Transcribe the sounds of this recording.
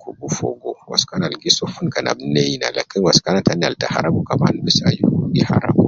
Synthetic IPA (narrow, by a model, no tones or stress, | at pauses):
kʰuɡufo̰ɡowa̰skanalɡisofunkana̰bnejina̰lakːinwaskanatana̰ltaha̰ɾabukamanbisajuhudiha̰ɾa̰bu